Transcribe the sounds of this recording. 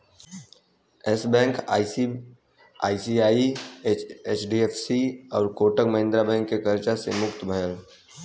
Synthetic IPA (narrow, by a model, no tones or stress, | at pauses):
esbɛ̃ːŋkː | a̰ːisiaːieeːt͡ʃɖiepʰsiɔːɾkoːʈəkmɐɦɪ̃nd̪ɾabɛ̃ːŋkːekəɾt͡ʃasemʊkt̪bʱəjəl